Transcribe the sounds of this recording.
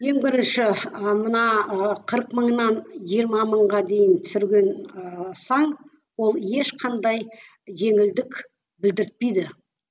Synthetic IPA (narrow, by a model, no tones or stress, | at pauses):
je̞ŋbɪɾɪnʃɪəmənɑqʰəɾəqməɴnɑnʒijəɾmɑməɴʁɑd̪e̞jɪnt̪ʰʏ̥sɪɾɡʲe̞nsɑɴ | wo̞lˠje̞ʃqʰɑnd̪ɑj | ʒe̞ŋɪld̪ɪk | bɪld̪ɪɾɪt̪̚pejd̪ɪ